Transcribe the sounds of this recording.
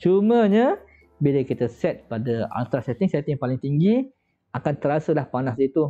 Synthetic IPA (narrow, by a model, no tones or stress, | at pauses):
t͡ʃumə̃ɲa | bilakit̪asɛt̪̚padaa̰nt̪ɾasɛt̪ɪŋsɛt̪ɪŋpalɪŋt̪iŋɡi | akant̪əɾasəlahpanasit̪u